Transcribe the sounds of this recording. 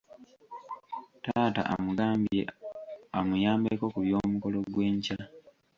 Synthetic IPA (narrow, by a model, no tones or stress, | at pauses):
taːta̰ʔa̰muɡaːmbeamujaːmbeko̞kuβjoːmuko̞lo̞ɡwe̞ːɲca